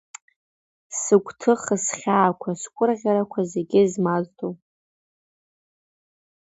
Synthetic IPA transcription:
sɨkʷʰʼtʰɨχəsχʲaːkʷʰaskʷʼʊrʁʲaɾakʷʰazeɡʲɪzmaztʰʼo

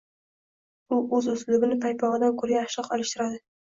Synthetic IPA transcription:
ʊɵzʊzlʊbɪnɪpʰajpʰɒʁɨd̪ankʰɵɾaaʃlɨqɒlˠɪʃt̪ɪɾad̪ɪ

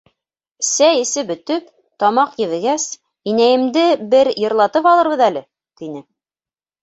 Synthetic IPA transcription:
sæjɘ̆sɘbɵ̆t̪ɘp̚ | t̪ɒmɑqjɘ̆βɘ̆ɡæs | inæjɘ̆md̪ɘbɘɾjɤ̆ɾlˠɑt̪ɤpɑlˠɤɾβɤðælɘ | t̪inɘ

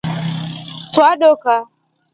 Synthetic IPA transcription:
twaɗoka

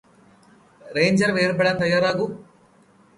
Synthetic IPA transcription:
ɾeːɲd͡ʒɐɾʋeːɾpɐɽɐnt̪ɐjaːɾaːɡu

